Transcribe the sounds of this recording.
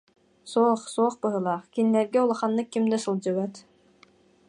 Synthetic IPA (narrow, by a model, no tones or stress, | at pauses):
suɔχsuɔːχbɯɦɯlˠaːχkinlɛɾɡɛulˠaχanːɯkːimd̪ɛsɯlˠd͡ʑɯβɛt̪